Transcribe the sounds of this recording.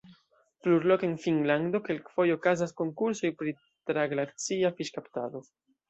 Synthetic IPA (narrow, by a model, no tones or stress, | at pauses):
pluɾlokenfiŋland̪o̞kelkfo̞jokazasko̞ŋkuɾso̞jpɾi | t̪ɾaɡlaɾt͡siafiʃkapt̪a̰ðo